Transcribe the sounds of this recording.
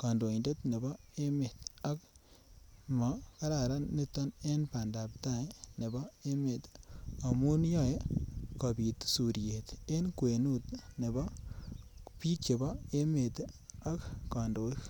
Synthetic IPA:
ka˨ndo˨i˨nde˦tne˨bɔ˦e˦me˨ta˦k̚ | mɔ˨ka˦ɾa˨ɾa˦ni˦tɔ˦ne˦npa˨nda˨p̚ta˦ne˨bɔ˦e˦me˨ta˨mu˦njɔ˦˨je˦kɔ˨bi˨tsu˨ɾje˨te˦nkwe˨nu˦tne˨bɔ˦ | pi˦e˨bɔ˦e˦me˨ta˦kka˨ndo˨˦i˦k

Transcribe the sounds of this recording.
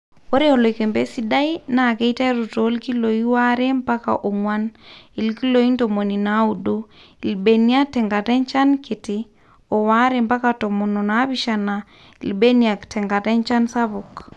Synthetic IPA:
o˦ɾe˦o˨lo˨i˨ke˨mbe˦si˦da˦i˦na˨ke˦i˦ta˦ɾu˨to˨˦lki˦lo˨i˦wa˦ɾe˦mpa˦ka̰ʔo˨ŋwa˦ni˨lki˦lo˨i˦ntomo˨ni˨na˨˦u˦do˦ | i˨lbe˨ni˦a˦tɛ˨ŋɡa˨tɛ˦nt͡ʃa˦nke˨tɪ˨ | ɔ˨wa˦ɾe˨mpa˦kato˨mo˨no˨na˦βi˦ʃa˨na˨ | i˨lbe˦nia˨ktʰɛ˨ŋɡa˨tɛ˦nt͡ʃa˦nsa˦βo˨k

